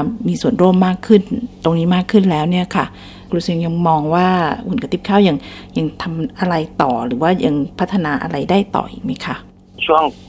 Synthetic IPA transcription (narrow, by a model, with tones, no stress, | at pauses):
miː˧su˨˩ənɾoː˥˩mːaː˥˩kʰːɯ˥˩nt̪o˧ŋniː˦˥maː˥˩kʰːɯ˥˩nlɛː˦˥wni˥˩ɐkʰa˥˩ | kʰu˧lsi˧ŋja˧ŋmɔː˧ŋwaː˥˩ʔu˨˩˦nka˧t̪ʰi˦˥˩p̚kʰaː˥˩wja˧ŋja˧ŋt̪ʰa˧mʔa˧ɾa˧jt̪ɔː˨˩ɾɯː˩˦waː˥˩ja˧ŋpʰt̪ʰːa˧naː˧ʔa̰˧ɾa˧jdaː˥˩jt̪ɔ̰ː˨˩ʔḭ˨˩k̚ma˦˥jkʰa˥˩ | t͡ɕʰu˥˩əŋ